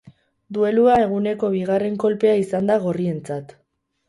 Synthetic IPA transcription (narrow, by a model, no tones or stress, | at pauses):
d̪ue̞luae̞ɣ̞une̞ko̞β̞iɣare̞ŋko̞lpe̞aisand̪aɣ̞orie̞nt͡sat̪